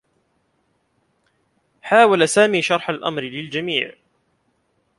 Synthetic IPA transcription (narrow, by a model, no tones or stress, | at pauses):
ħaːwalasaːmiːʃɑɾˤħalʔa̰mɾɪlɪld͡ʒamḭːʕ